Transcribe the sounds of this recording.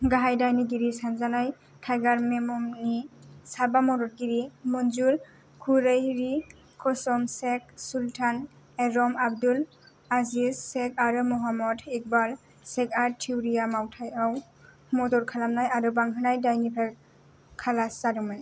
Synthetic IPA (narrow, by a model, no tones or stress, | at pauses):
ɡaɦajdajniɡiɾisanzanaj | kʰajɡaɾmemɔmnisabamɔɾɔɾ̚ɡiɾimɔnzul | kʰuɾejɾi | kʰɔsɔmsek̚sultʰan | eɾɔmab̚dul | azizːekaɾɯmɔɦamɔdik̚bal | sekaɾtʰiwɾijamawtʰajaw | mɔdɔɾkʰalamnajaɾɯbaŋɦɯnajdajnipʰa | kʰalasaɾɯmɯn